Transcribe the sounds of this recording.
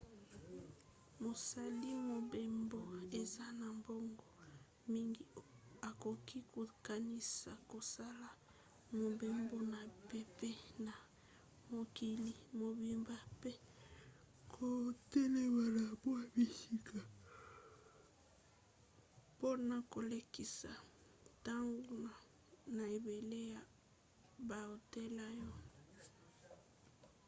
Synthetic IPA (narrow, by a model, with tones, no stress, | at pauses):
mo˨sa˨li˦mo˨be˨mbo˦e˨za˦na˨mbo˦ŋɡɔ˨ | mi˦ŋɡi˨a˨ko˨ki˦ko˨ka˨ni˦sa˨ko˨sa˦la˦ | mo˨be˨mbo˦na˨pe˦pe˦na˨ | mo˨ki˨li˨mo˨bi˨mba˦pe˦ | kʰo˨tɛ˦ne˦˨ba˨la˨bo˦a˦bi˦si˦ka˨ | po˦na˨ko˨le˨ki˨sa˨ta˦ŋɡo˦˨ | na˨e˨be˨le˦ja˨ | ba˨o˨te˦la˦jɔ˦